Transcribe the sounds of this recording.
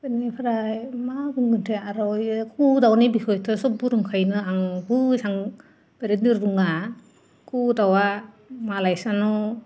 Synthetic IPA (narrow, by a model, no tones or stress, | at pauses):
bɯnipʰaɾajmabuŋɡɯntʰeaɾɔjkʰudawnibikʰɔjtʰɔsɔbuɾɯŋkʰajnɯaŋbusaŋ | b̥eɾediɾduŋa | kʰudawa | malajsanɔ